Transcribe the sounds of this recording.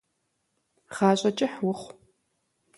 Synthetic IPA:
χaːɕʼɐt͡ʃʼɪħwʊχʷ

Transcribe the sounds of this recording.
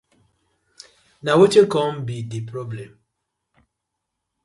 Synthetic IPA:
nawet͡ʃekɔm̩bidipɾɔblɛm̩

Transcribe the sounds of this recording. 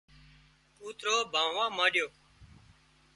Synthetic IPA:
uːt̪ɾoːbʱãːʋãːmãːɗjoː

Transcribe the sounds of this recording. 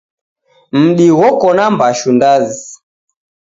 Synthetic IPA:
m̩ɗiwɔkɔnambaʃundazi

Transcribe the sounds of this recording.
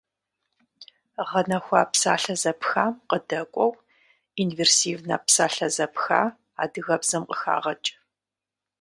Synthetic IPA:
ʁɐnɐxʷaːpsaːɬɐzɐpxaːmqədɐkʷʼɔw | inversiːvna̰ːpsaːɬɐzɐpxa̰ː | a̰ːdɨɣɐbzɐmqʼəxa̰ːʁɐt͡ʃʼ

